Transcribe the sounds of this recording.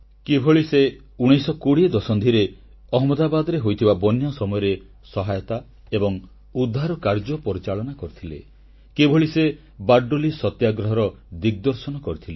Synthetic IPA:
kebʱoɭise | uɽ̃ijsɔkoɽid̪ɔsɔnd̪ʱiɾe | ɔɦɔmɔd̪abad̪ɔɾeɦojt̪ʰibabɔnjɔsɔmɔjɔɾe | sɔɦajɔt̪a | ebɔŋ | ud̪ʱːaɾɔkaɾd͡ʒɔpɔɾit͡ʃaɭɔnakɔɾit̪ʰilḛ | kebʱoɭise | baɾɖolisɔt̪jaɡɾɔɦɔɾɔ | d̪iɡ̚d̪ɔɾsɔnɔkɔɾit̪ʰile

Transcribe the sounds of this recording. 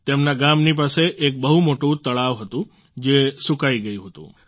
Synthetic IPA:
t̪emnaɡamnip̬aseʔek̚bəɦumoʈũt̪əɭaʋɦət̪ũ | d͡ʒesukaiɡəjũɦət̪ṵ̃

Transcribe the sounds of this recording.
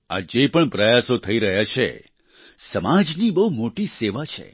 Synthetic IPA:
a̰d͡ʒepəɳpɾəjasot̪ʰəiɾəɦjat͡ʃʰḛ | səmad͡ʒnibəɦumoʈiseʋat͡ʃʰḛ

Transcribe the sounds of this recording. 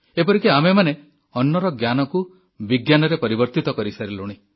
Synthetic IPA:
epɔɾikeamemane | ɔnːɔɾɔɡjanɔku | biɡjanɔɾepɔɾibɔɾt̪it̪ɔkɔɾisaɾeluɽ̃i

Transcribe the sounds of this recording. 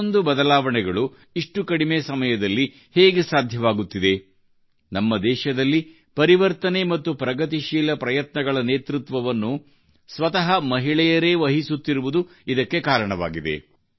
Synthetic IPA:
nd̪ubɐd̪ɐlaːʋɐɳɛɡɐɭu | iʂʈukɐɽimeːsɐmɐjɐd̪ɐlːi | heːɡesaːd̪ʱjɐʋaːɡut̪ːid̪e̞ | nɐmːɐd̪ɛːʃɐd̪ɐlːi | pɐɾiʋɐɾt̪ɐne̞mɐt̪ːupɾɐɡɐt̪iʃiːlɐpɾɐjɐt̪nɐɡɐɭɐneːt̪ɾut̪ʋɐʋɐnːu | sʋɐt̪ɐɦɐmɐɦiɭɛjɐɾe̞ːʋɐɦisut̪ːiɾuʋud̪u | id̪ɐkːe̞kaːɾɐɳɐʋa̰ːɡid̪ḛ

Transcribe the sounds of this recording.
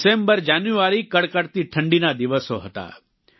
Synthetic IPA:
sembəɾd͡ʒanjuaɾikəɽkəɽt̪iʈʰəɳɖinad̪iʋəsoɦət̪a̰

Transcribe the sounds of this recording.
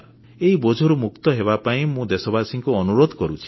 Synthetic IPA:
eibod͡ʒʱɔɾumukt̪ɔɦeβapaĩmũd̪esɔbasiŋkuɔnuɾod̪ʱkɔɾut͡ʃʰi̥

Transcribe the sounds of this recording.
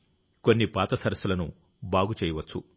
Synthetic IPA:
ko̞nːipaːt̪ɐsɐɾɐsulɐnṵ | baːɡut͡ʃɛːjɐʋɐt͡ʃːu

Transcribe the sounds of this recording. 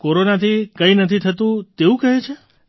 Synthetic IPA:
koɾonat̪ʰikəinət̪ʰit̪ʰət̪ũt̪eũkəɦet͡ʃʰe

